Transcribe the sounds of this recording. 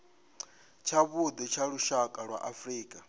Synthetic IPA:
t͡ʃʰaβud̪ɛt͡ʃʰaɺuʃakʼaɺwa̰ʔafriːkʼa

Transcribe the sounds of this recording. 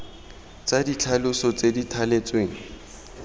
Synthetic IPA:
t͡sʼadit͡ɬʰalʊsɔt͡seditʰalet͡sʼweːŋ̩

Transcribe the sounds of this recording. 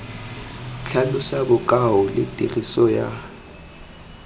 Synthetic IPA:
t͡ɬʰalʊsabʊkʼaʊlɪ̰tʼirisɔja̰

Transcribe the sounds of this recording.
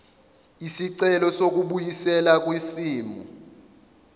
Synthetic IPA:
isiǀɛlɔsok̬uɓujisɛlak̬wisiːmṵ

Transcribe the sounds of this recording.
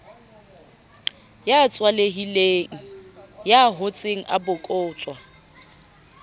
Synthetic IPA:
jat͡sʼwaleɦileːŋ̩jaɦʊt͡sʼeŋ̩ʔabʊkʼʊːt͡sʼwa

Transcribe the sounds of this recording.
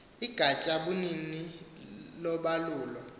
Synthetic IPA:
iɡ̥ʱat͡ʃʼaɓunini | lɔɓaluːlɔ

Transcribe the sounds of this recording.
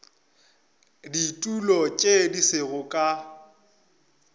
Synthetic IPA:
ditʼulɔt͡ʃʼedisɪɣʊkʼa

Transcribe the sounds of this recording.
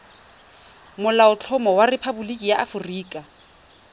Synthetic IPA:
mʊlaʊt͡ɬʰɔmɔwarɪpʰabulikʼijaʔafʊriːkʼa

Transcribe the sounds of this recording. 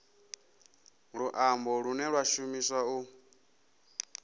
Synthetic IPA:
ɺuʔambɔɺunɛɺwaʃumiswau

